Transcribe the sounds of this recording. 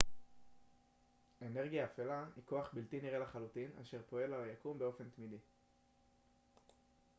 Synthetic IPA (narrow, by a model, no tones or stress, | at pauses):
e̞ne̞ʁɡijaːfelaiko̞aχbiltiniʁelaχalutina̰ʃe̞ʁpo̞e̞lajakumbe̞o̞fe̞nt̪midi